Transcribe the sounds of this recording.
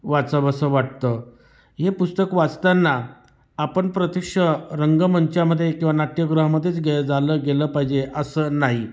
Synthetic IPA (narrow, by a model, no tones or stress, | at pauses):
ʋat͡səbəsəʋaʈt̪ə | ɦepust̪əkʋat͡st̪anːa | apəɳpɾət̪ikʂəɾəŋɡəmənt͡ɕjaməd̪ʱːjekĩw̃ʋanaʈjəɡɾaɦməd̪ʱːjet͡sɡed͡zaləːɡeləːpaɦid͡ʑeʔəsənaɦi